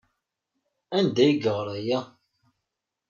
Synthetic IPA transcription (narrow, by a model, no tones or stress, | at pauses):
ænd̪æjiɡəʁɾˤæjæ